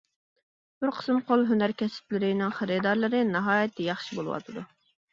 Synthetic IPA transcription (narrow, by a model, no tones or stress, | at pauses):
b̥ɪɾqʰə̥smqʰolˠɦønæɾkʲʰɛsɪ̥plɪɾɪnɪŋχəɾɪd̪ɑɾlˠɨɾɨnɑɦɑːjɛt̪ʰːɛjɑχʃibolˠɨwɑ̰t̪ʰɨd̪u